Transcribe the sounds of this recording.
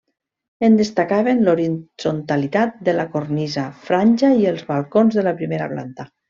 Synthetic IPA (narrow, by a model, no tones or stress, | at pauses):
end̪est̪akaβenloɾiz̥ont̪alit̪at̪̚d̪əlakornizafɾanʲʒaiəlˠzβalˠkonzðəlapɾimeɾa̰pla̰nt̪a